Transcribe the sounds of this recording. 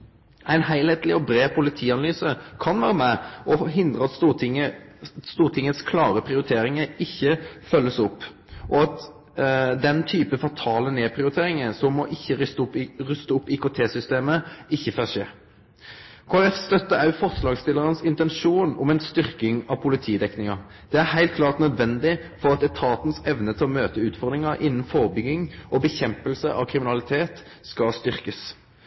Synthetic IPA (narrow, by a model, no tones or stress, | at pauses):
æɪnhæɪlheɪt̪lɪɔbɾeːpʰʊlɪt̪ʰiːɑnɑlyːsəkʰɑnʋæːɾəmɛʔɔɦɪnd̪ʁəɑt̪səst̪uːʁt̪ʰɪŋːət̪skʰlɑːɾəpʰʁɪʊɾɪt̪ʰeːɾɪŋəɪçːəfœlːəsɔpː | ʔɔɑt̪ | d̪ɛnt̪ʰyːpəfɔʁt̪ʰɑːləneːpʰʁɪʊɾɪt̪ʰeːɾɪŋəsɔmːɔʔɪçːəʏsʊɾʏst̪əʊpːikʰʊt̪ʰeːsʏst̪eːməɪçːəfœʂḛː | kʰoːæʁɛfst̪œt̪ːəɑʉfɔʁslɑːɡst̪ɪləʁənəsɪnt̪ɛnʃuːnʊ̰mɛnst̪ʏʁkɪŋɑʋpʰʊlɪt̪ʰiːd̪ɛknɪŋɑ | d̪̥ɛæɾhæɪlt̪̚kʰlɑːʁt̪nœd̪ʋɛnd̪ɪfɔʁɑt̪ɛt̪ʰɑːt̪n̩sɛʋnət̪ʰɪlɔmøːt̪əʉːt̪fɔʁd̪ʁɪŋəʔɪnːn̩foːʁəbʏɡɪŋʔɔbəçɛmpəlsəʔɑ̰ʋkʰʁɪmɪnɑlɪt̪ʰeːt̪skɑst̪ʏʁkəs